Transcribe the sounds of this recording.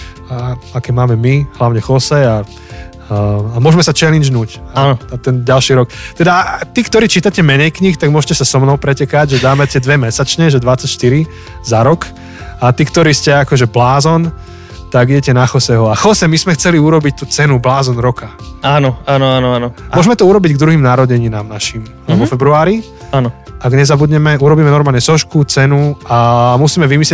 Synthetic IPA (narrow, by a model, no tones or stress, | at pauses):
aakɛmaːmɛmiɦlaʊɲɛxɔsɛa | amʊɔʒmɛsat͡ʃɛlid͡ʒnuːcaanɔat̪ɛnɟalʃiːɾɔkt̪ɛd̪at̪iːkt̪ɔɾiːt͡ʃiːt̪acɛmɛɲɛjkɲixt̪aɡmʊɔʒcɛsasɔmnɔʊpɾɛcɛkaɟʒɛd̪aːmɛt̪ɪɛd̪ʋɛmɛsat͡ʃɲɛʒɛd̪ʋat͡sacʃt̪iɾi | zaɾɔk | at̪iːkt̪ɔɾiːscɛakɔʒɛblaːzɔn | t̪aɡiɟɛcɛnaxɔsɛɦɔaxɔsɛmizmɛxt͡sɛliuɾɔbic̚t̪uːt͡sɛnublaːzɔnɾɔka | aːnɔanɔanɔanɔmʊɔʒmɛt̪ɔuɾɔbiɟɡd̪ɾuɦiːmnaɾɔɟɛɲiːnaːmnaʃim | ʋɔfɛbɾuaːɾi | anɔʔaɡɲɛzabud̪ɲɛmɛuɾɔbiːmɛnɔɾmaːlɲɛsɔʃkut͡sɛnuamusiːmɛʋimislɛ